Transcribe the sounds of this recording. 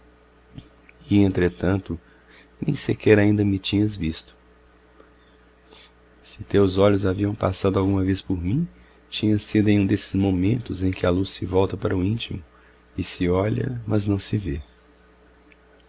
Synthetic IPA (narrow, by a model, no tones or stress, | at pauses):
ɪẽnt̪ɾet̪ɐ̃nt̪ʊ | nẽj̃sekɛɾaĩnd̪ɐmɪt͡ʃĩɲɐzvist̪ʊ̥ | sɪt̪ewzɔʎʊzaviɐ̃w̃pa̰sad̪ʊawɡũmɐvespoɾmĩ | t͡ʃĩɲɐsid̪ʊẽj̃ũd̪esɪ̥zmõmẽnt̪ʊzẽj̃kɪalusːɪvɔwt̪ɐpaɾɐʊĩnt͡ʃimʊ | ɪsɪɔʎɐ̰mɐznɐ̃w̃sɪve